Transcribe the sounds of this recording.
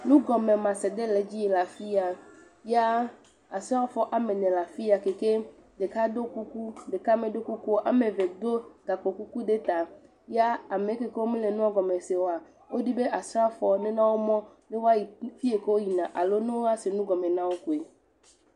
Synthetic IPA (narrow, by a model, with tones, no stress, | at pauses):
nũ˦ɡɔ˨me˨mã˨sɛ˨d̪e˦le˨˦d͡ʑi˦je˨la˨fi˦a˨ | ja˦ | a˨sɾa˦fɔ˦ʔa˦me˨nɛ̃˨la˨fi˦a˨ke˨ke˦ | de˨ka˦d̪o˦ku˦ku˦ɖe˨ka˦mẽ˨ɖo˦ku˦ku˦ʔa̰˦mẽ˨ve˨d̪o˦ɡa˨ko˨ku˦ku˦ɖe˦t̪a˨ | ja˦a˨me˨˦ke˦ke˦wo˦mĩ˦le˨nũ˦a˦ɡɔ˨me˨se˨wo˦a˨ | wo˦ɖi˦be˦ʔa˨sɾa˦fɔ˨˦nɛ̃˦nã˦wo˦mɔ̃˦ | be˦wo˦a˦ji˨fi˦e˨ke˦wo˦ji˨nã˨ʔa˨lo˦nẽ˦wo˦a˦se˨nũ˦ɡɔ˨mẽ˨nã˦wo˦ku˨e˨